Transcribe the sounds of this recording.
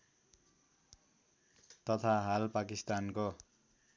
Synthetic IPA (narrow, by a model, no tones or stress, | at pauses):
t̪ʌt̪ʰaɦalpakist̪anko